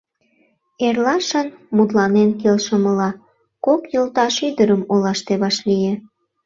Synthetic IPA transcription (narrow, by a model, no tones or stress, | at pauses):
erlɑʃənmut̪lɑnenkelʃəməlɑ | kokjolt̪ɑʃyd̪əɾəmolɑʃt̪eβɑʃlije